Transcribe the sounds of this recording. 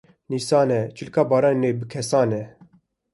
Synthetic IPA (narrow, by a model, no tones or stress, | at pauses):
niːsɑːnɛt͡ʃʰɨlkɑːbɑːɾɑːnnebɨkʰɛsɑːnɛ